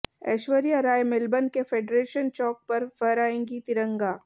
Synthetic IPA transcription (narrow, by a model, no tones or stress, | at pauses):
ɛ̰ːʃwəɾijaɾaːjmɪlbənkefʰeːɖɾeːʃənt͡ʃɔːk̚pɐɾfəɾaːẽːŋɡit̪ɪɾə̃ŋɡaː